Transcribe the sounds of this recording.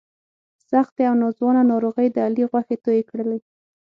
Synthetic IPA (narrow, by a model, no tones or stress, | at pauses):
saxt̪eawnɑzwɑnanɑɾoɣəjd̪əaliɣwaxet̪ojekɽəle